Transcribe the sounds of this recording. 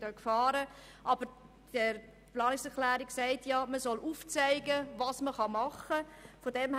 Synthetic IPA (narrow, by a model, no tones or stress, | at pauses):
dœkfɑːɾə | ʔɑb̥əɾ | də | plɑːnɪksɛklæːɾiksæɪtjɑːməsɔlʔuːft͡saɪɡəvɑːsməχɑmɑχəfodɛmh